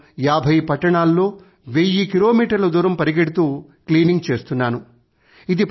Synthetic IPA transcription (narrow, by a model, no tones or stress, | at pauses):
jaːbʱɐjpɐʈːɐɳaːlːo̞ː | ʋejːikilo̞ːmiːʈɐɾlɐd̪uːɾɐmpɐɾiɡeɽut̪uː | kliːniŋɡ̚t͡ʃe̞ːst̪unːaːnu | id̪i